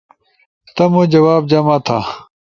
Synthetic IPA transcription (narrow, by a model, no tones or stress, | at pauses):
t̪ɐmũd͡ʑɐwaːb̚d͡ʑɐmaːt̪ʰã̰ː